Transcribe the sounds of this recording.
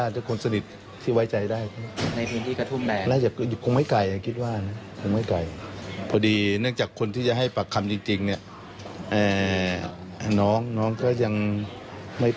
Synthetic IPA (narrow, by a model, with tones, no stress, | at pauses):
a˥˩dɯː˧˩˨kʰo˧nsa˧ni˨˩t̪̚ʰː | iː˥˩wa˦˥˩jt͡ɕa˧jdaː˥˩jt̪ʰa˥˩na˧jpʰɯː˧nt̪ʰiː˥˩ka˧t̪ʰu˧˥˩mdɛː˧laː˧˥˨jaː˨˩ku˨˧˩kʰo˧ŋma˥˩jka˨˩jʔa˨˩kʰi˦˥t̪̚waː˥˩˨na˦˥kʰo˧ŋma˥˩jka˨˩jpʰɔː˧diː˧nɯ˥˩əŋt͡ɕaː˨˩kʰːo˧nt̪ʰiː˥˩t͡ɕa˨˩ɦa˥˩jpa˨˧˩kʰːa˧mt͡ɕi˧ŋt͡ɕi˧ŋni˥˩ɐ | ʔaː˨˩ | nɔː˦˥ŋnɔː˦˥˨ŋkɔː˥˩ja˧ŋ | ma˥˩j